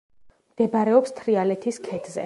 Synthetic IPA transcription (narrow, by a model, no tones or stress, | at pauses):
md̪̥ɛbaɾɛɔpst̪ʰɾialɛt̪ʰiskʰɛd̪ʰzɛ̰